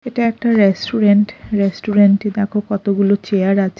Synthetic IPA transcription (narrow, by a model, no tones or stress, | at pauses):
eʈaɛk̚ʈaɾesʈuɾeɳʈɾesʈuɾeɳʈid̪ɛkʰokɔt̪oɡulot͡ɕeaɾat͡ɕʰe